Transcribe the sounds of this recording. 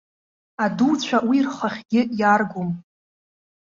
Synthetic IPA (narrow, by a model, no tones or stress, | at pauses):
adut͡sʷʰawirχaχʲɡʲɪjarɡʷom